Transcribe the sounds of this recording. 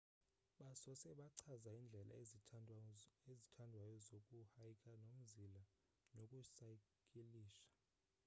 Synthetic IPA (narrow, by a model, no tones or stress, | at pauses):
ɓasɔsɛɓaǀʰazaind͡ɮʱɛlʔa̰ | ezitʰandʱwajɔzokʼuhajikʰʼanom̩zʱila | nokʼusakʼiliːʃḁ